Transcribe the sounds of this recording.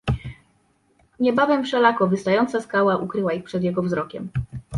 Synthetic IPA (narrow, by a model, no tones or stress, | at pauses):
ɲɛbavɛmfʂɛlakɔvɘst̪ajɔnt̪saskawaʔukɾɘwaixpʂɛd̪jɛɡɔvzɾɔkʲɛm